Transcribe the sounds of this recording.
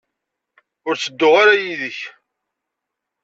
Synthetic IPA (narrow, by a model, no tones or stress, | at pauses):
ʊɾt͡sːəd̪ːʊʁaɾajiðəç